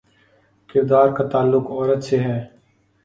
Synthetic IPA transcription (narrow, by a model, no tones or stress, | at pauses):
kɪɾd̪aːɾkat̪aːlːʊkɔːɾət̪seɦɛː